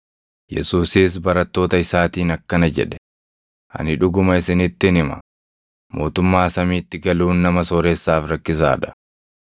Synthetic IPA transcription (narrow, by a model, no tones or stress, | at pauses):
jɛ̰suːsiːs̬bɐɾɐt̪ːo̞ːt̪ɐɪsaːt̪iːnɐkːɐnɐd͡ʒɛ̰ᶑɛ̥ | ʔɐ̰nɪᶑʊɡʊmɐɪsɪnɪt̪ːɪnɪmɐ̰ | mo̞ːt̪ʊmːaːsɐmiːt̪ːɪɡɐluːnːɐmɐsoːɾesːaːfɾɐkːɪs̬a̰ːᶑɐ̥